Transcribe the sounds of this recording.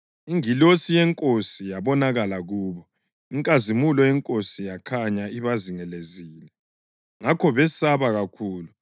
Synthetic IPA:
iŋilosijɛŋkʼosijaβɔnaɣalaɣuːβɔ | iŋkʼazimulɔjɛŋkʼosijakʰaɲaiβaziŋɛleziːlɛ | ŋakʰɔβɛsaβaɣakʰuːlu

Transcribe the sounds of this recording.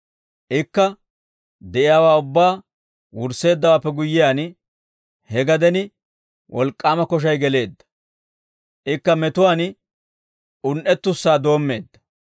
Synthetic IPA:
ʔɪkːɐ | d̪ɛʔɪjaːwaːʊbːaː | wʊɾse̞ːd̪ːɐwaːpːɛɡʊjːɪjaːn | hɛɡɐd̪ɛnɪ | wʔɔ̰lkʼːaːmɐkɔʃ̬ɐjɡɛle̞ːd̪ːɐ̥ | ʔɪkːɐmɛt̪ʊwaːn | ʔʊnʔɛt̪ːʊsːaːd̪o̞ːmːe̞̰ːd̪ːɐ̥

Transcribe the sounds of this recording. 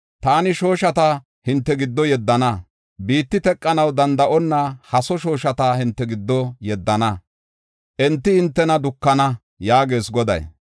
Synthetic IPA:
t̪aːnɪʃo̞ːʃɐt̪ɐ | hɪnt̪ːɛɡɪd̪ːɔjɛd̪ːɐnɐ | biːt̪ːɪt̪ɛkʼːɐnɐwd̪ɐnd̪ɐʔɔnːɐhɐsɔʃo̞ːʃɐt̪ɐhɪnt̪ːɛɡɪd̪ːɔjɛd̪ːɐnɐ | ʔɛnt̪ːɪhɪnt̪ːɛnɐd̪ʊkːɐnɐ | jaːɡe̞ːsɡɔd̪ɐ̰j

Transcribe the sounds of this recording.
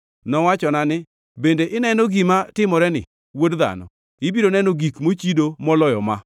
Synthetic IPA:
nɔwat͡ʃɔnanɪ | bendeʔɪnɛnoɡimatɪmɔɾɛnɪ̰ | wodða̰nɔ̰ | ɪbidonɛnoɡikmot͡ʃidomɔlɔjɔma̰

